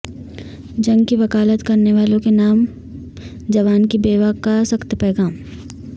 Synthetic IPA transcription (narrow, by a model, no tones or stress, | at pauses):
d͡ʒɐ̃ŋɡkiʋɐkaːlət̪kɐɾneʋaːlõkenaːm | d͡ʒɐʋaːnkibeːʋakasɐkt̪pɛːɡaːm